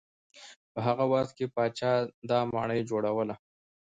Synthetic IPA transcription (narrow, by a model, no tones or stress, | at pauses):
pəɦaɣawaxt̪̚kepɑt͡ʃɑd̪ɑmɑ̰ɳəjd͡ʒoɽawəla